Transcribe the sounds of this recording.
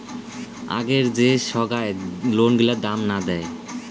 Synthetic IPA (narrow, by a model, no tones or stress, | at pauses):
a̰ɡeɾd͡ʑeʃɔɡaelonɡilad̪amnad̪ɛe